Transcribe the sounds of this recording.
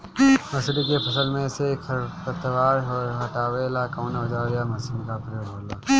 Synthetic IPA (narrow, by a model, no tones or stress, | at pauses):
mɐsɾikepʰɐsəlmẽsekʰɐɾpət̪əʋaːɾɦɔːɾɦɐʈaːweːlakaːnaʊd͡ʒaːɾjamɐsɪmkapɾjoːbʱoːlaː